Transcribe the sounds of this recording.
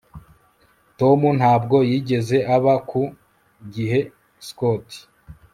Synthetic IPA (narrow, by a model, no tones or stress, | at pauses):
to̞mun̥haːbɡo̞jiːɟe̞ze̞ʔaβaku | ɡiɦe̞ | skoti̥